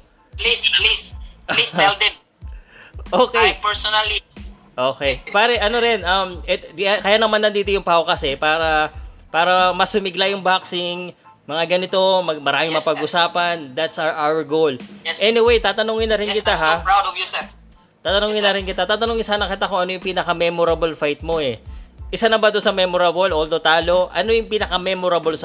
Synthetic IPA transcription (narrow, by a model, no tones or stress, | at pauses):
plisplislisɛld̪ɛm | ʔoːkejpɛɹsonɐli | ʔoːkɛjpaːɾɛʔɐno̞ɾɪnʔɐmɛt̪kɐjaːnɐmanːɐnd̪iːt̪ojʊŋpawkɐsɛpaːɾɐpaːɾɐmɐsʊmɪɡlajʊŋbaksɪŋ | mɐŋaɡɐnɪt̪o̞mɐmɐɾaːmɪŋmɐpɐɡʔʊsaːpɐnd̪at̪saʔawɛɹɡowlʔɛnɪwejt̪aːt̪ɐnoŋɪnːɐɾɪnkɪt̪aɦa | t̪aːt̪ɐnoŋɪnːɐɾɪnkɪt̪at̪aːt̪ɐnoŋɪnsaːnɐkɪt̪akoʔɐnojʊŋpinɐkɐmɛmoɾɐbolfajt̪̚mo̞ɛʔɪsanɐbad̪onsɐmɛmoɾɐbolʔold̪ot̪aːlo̞ʔɐ̰no̞jʊŋpiːnɐkɐmɛmoɾɐbls